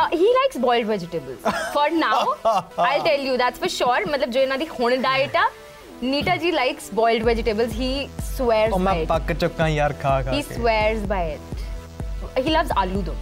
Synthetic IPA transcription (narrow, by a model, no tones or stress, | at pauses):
ɦiːlaɪksbɔɪlɖʋɛd͡ʒɪʈəbəlz̥fɔɾnaʊaɪlʈɛljud̪æʈsfəɾʃɔɾmɐt̪ləb̚d͡ʒoːɪnad̪ihõɳ̃ɖaɪʈa | niːʈad͡ʒiːlaɪksbɔɪlɖʋɛd͡ʒɪʈebəlzɦiːsʋɛːɾzmãɪʈpɐkːt͡ʃʊkːãjaɾkʰahisweːɾzbaɪɪʈ̚ | hiːlɐʋzalud̪oː